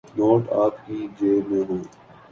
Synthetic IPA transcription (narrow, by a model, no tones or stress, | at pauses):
noːʈaːpkiːd͡ʒeːmẽːɦõː